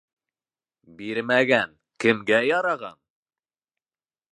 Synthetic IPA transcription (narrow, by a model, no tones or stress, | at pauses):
biɾmæɡæn | kɘ̆mɡæjɑɾɑʁɑ̰n